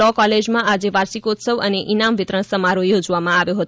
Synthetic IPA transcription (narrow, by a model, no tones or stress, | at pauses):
ɔkɔled͡ʒmãʔad͡ʒeʋaɾsikot̪səʋəneʔinamʋɪt̪ɾəɳ̃səmaɾojod͡ʒʋamãaʋjõɦət̪